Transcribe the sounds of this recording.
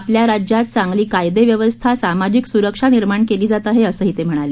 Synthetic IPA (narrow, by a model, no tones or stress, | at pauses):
apljaɾad͡ʑjat̪̚t͡saŋɡliːkajd̪eʋjəʋəst̪ʰasamad͡ʑiksuɾəkʂaniɾmaɳkeliːd͡zat̪aɦeəsəːɦit̪em̤əɽ̃ale